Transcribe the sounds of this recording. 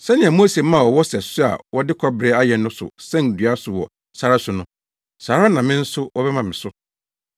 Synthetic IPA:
sɛ˦nɪ̃˨ã˨mo˦se˨mã˦˨wɔ˨wɔ˦sɛ˨sʊ˦a̰˨wɔ˦dɪ˦kʰɔ˦bɾe˨˦a˦jɛ˨nːʊ̃˦sʊ̰˨sɛ̃˦n˨dɥa˦sʊ˨wɔ̰˨ | sa˨ɾa˦sʊ˨nʊ̃˦ | saː˨ɾa˦nã˨mɪ̃˦n̩˦sʊ˦wɔ˦bɛ˦mã˨mɪ̃˨sʊ˦

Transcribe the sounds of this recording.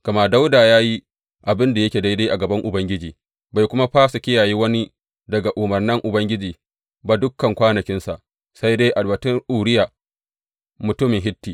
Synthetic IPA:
kɐ˨ma˦da˦wdaː˨jaː˦ji˦ | ʔa˨bɪ˦nda˨jɐ˦kʲeː˨da˦de˦ʔa˨ɡɐ˨bɐ˦ŋʔʊ˨bɐ˦ŋɡʲɪ˦d͡ʒiː˨ | ba˨jkʷʊ˦ma˦ɸaː˦su˨kʲɪ˦jaː˨ji˦wɐ˦ni˦ | dɐ˨ɡa˨ʔʊ˨mɐ˨rnɪ˦ŋʔʊ˨bɐ˦ŋɡʲɪ˦d͡ʒiː˨ | ba˨dʊ˦kːɐ˨ŋkʷaː˦nɐ˨kʲɪ˦nsa˨ʔ | sa˦jdeː˦ʔa˨lwɐ˨tɪ˦ŋʔuː˨ɾɪ˦jaː˨ | mʊ˨tʊ˦mɪ˨ŋɦɪ˦tːiː˨

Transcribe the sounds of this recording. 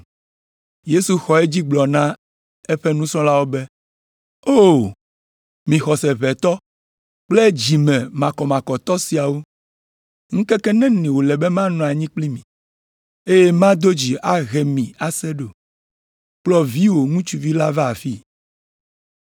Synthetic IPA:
je˦su˨xɔ˨e˦d͡ʑi˦ɡ͡blɔ˨nã˦ | e˦ɸɛ˦nũ˦sɔ̃˦la˦wo˦bɛ˦ | o˦˨ | mĩ˨xɔ˨sɛ˨βɛ˨t̪ɔ˦ | k͡plɛ˦d͡ʑi˨mɛ̃˨mã˨kɔ˨mã˨kɔ˨t̪ɔ˦si˨a˨wo˦ | ŋ̩̃˦kɛ˦kɛ˦nɛ̃˦nɛ̃˨wo˨lɛ˨bɛ˦mã˦nɔ̃˨a˨ɲĩ˦k͡pli˦mĩ˨ | e˦je˦mã˦d̪o˦d͡ʑi˨a˦ɣɛ˨mĩ˨a˨sɛ˦ɖo˨ | k͡plɔ˦vi˦wo˨ŋũ˦t͡ʃu˨vi˦la˦vɛ˦a˨fi˦

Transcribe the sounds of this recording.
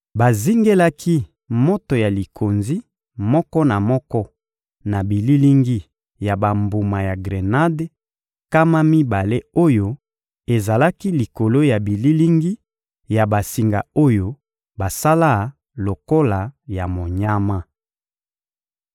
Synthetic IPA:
ba˨zi˦ŋɡe˦la˦ki˦ | mo˦to˨ja˨li˨kʰo˨nzi˦ | mɔ˦kɔ˦na˨mɔ˦kɔ˦ | na˨bi˨li˦li˦ŋɡi˦ | ja˨ba˨mbu˨ma˨ja˨ɡʁe˨na˦de˦ | ka˦ma˦mi˦ba˨le˦o˦jo˦ | e˨za˨la˦ki˦li˨ko˨lo˦ja˨bi˨li˦li˦ŋɡi˦ | ja˨ba˨si˨ŋɡa̰˨o˦jo˦ | ba˨sa˦la˦˨ | lo˨ko˦la˨ja˨mo˨ɲa˦ma˦

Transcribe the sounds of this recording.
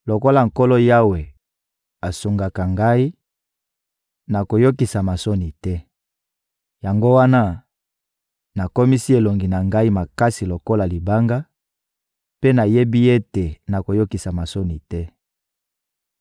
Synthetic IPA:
lo˨ko˦la˨ŋ̩˨ko˦lɔ˦ja˦we˨ | a˨su˨ŋɡa˨ka˨ŋɡa˦i˦ | na˨ko˨jo˦ki˨sa˨ma˨so˦ni˨tɛ˦ | ja˨ŋɡo˦wa˦na˦ | na˨ko˦mi˦si˦e˨lo˨ŋɡi˨na˨ŋɡa˦i˦ma˨ka˦si˨lo˨ko˦la˨li˨ba˦ŋɡa˦ | pe˦na˨je˦bi˦e˦te˨na˨ko˨jo˦ki˨sa˨ma˨so˦ni˨tɛ˦

